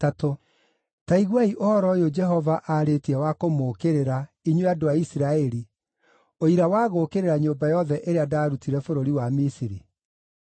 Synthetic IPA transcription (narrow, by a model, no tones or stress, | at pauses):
tato | taiɣwaiʔohɔɾɔjod͡ʒɛɦɔvaʔaɾetiɛwakomoːkeɾeɾa | iɲweadoaisiɾaɛɾi | oiɾawaːɣokeɾeɾaɲoːbajɔðɛʔeɾeadaːɾutiɾɛfoɾoɾiwamisiɾi